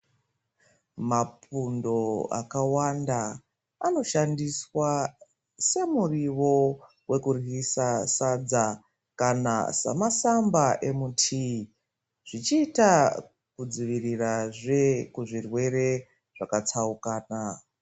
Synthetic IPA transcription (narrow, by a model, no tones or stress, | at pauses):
mapundo̞a̰kawanda | ano̞ʃandiswa | se̞muriʋo̞ | we̞kurɦisasad͡za | kana̰sa̰masambaʔe̞mutʰi | ʐ̥it͡ʃiːta | kud͡ziʋiriraʐe̞kuʐirwe̞re̞ | ʐ̥akat͡saukaːna